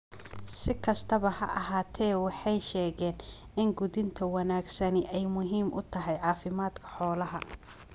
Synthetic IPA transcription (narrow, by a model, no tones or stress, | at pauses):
sɪkʰɐst̪ʰɐβɐhɐ̰ʔɐɦaːt̪ʰɛːwɑħɑjʃɛːɣɛːn | ɪŋɡʊðɪnt̪ʰɐwɐnaːɡsɐnɪʔɛjmʊɦiːmʔʊ̰t̪ʰɐɦɛjʕɑːfɪmaːd̪kʰɐ̥ħɔːlɐɦɐ